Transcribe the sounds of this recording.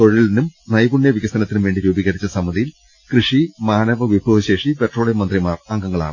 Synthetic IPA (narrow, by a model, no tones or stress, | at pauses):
t̪oɻilinumnɐjbuɳjɐʋikɐst̪ɐnɐt̪ːinumʋe̞ːɳɖiɾuːbiɣɐɽit͡ɕːɐsɐmːɐðijil | krɨʂimaːnɐʋɐʋibʱuʋɐɕe̞ːʂipeʈro̞ːɭemɐnd̪rimaːrɐŋɡɐŋːɐɭa̰ːɳɨ